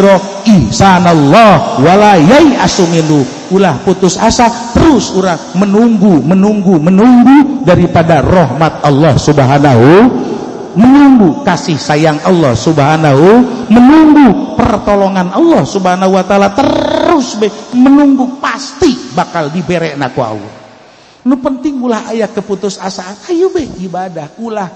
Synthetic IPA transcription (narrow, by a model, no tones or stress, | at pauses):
ɾɔ | isanɔlːɔhwalajaiasuminu | ulahput̪ʊsa̰sat̪əɾʊsuɾa | mənuŋɡumənuŋɡumənuŋɡudaɾipadarɔɦmat̪̚ɑlːɔhsubɦanaɦu | mənuŋɡukasɪhsajaŋʔɑlːɔhsubəɦanaɦumənuŋɡupərt̪oloŋanɑlːɔhsubəɦanaɦuwat̪aalat̪əɾʊsbɛmənuŋɡupast̪ibakaldibeɾɛʔnakua̰lːɔ̰ | nʊpənt̪ɪŋulahajakːəput̪ʊsasakajubɛibadahulah